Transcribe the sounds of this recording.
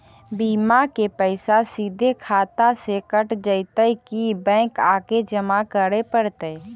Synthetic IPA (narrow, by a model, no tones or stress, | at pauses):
biːmakepəɪsasiːd̪ʱekʰaːt̪asekəʈd͡ʒəɪt̪əjkibɛ̃ːkaːked͡ʒəmakəɾepəɾt̪əː